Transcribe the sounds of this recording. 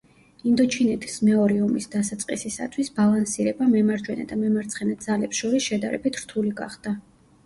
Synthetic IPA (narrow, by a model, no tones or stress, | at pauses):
ind̪ɔt͡ʃʰinɛt̪ʰi̥smɛɔɾiɔmisd̪asat̪sʼqʼisisa̰t̪ʰwisbalˠansiɾɛbamɛmaɾd͡ʒwɛna̰d̪amɛmaɾt̪sʰχɛnɛt̪̚d̪zalɛpsʃɔɾisʃɛd̪a̰ɾɛ̰bit̪ʰɾt̪ʰuliɡa̰χd̪̥a